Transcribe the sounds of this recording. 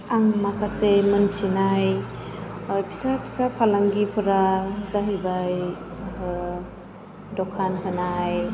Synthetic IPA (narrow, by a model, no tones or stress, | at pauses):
aŋmakʰasemɯntʰinaj | jpʰi̥sapʰi̥sapʰalaŋɡipʰɯɾazaɦibaj | dɔkʰanɦɯnaj